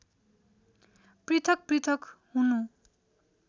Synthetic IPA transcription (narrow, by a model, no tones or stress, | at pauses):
prit̪ʰʌk̚prit̪ʰʌkhunu